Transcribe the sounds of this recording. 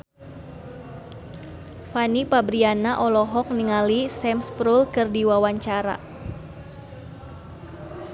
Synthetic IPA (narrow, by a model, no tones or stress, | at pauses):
fanipabɾianaʔɔlɔɦɔk̚niŋalisɛmspɾulkɨrdiwawaɲt͡ʃaɾa̰